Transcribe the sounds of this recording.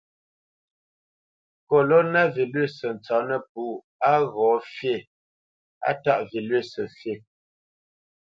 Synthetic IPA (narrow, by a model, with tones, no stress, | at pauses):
ko˨lɔ˦na˦vi˨lɥe˦˨sə˨n̩˨t͡sɔ˨˦nə˦p̚u˨˦ | a˦ɣɔ˨˦fje˦˨ | a̰˦ta˦ʔvi˨lɥe˦˨sə˨fje˦˨